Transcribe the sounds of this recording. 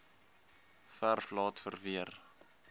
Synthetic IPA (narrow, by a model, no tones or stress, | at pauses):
færflɑːtfərviər